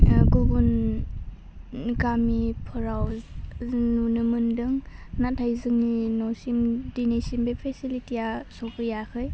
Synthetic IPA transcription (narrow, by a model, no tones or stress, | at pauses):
ɡubun | ɡamipʰɔɾaw | nunɯmɯndɯŋnatʰajzɯŋninɔsimdinesimbepʰesilitijasɔkʰɯjakʰɯj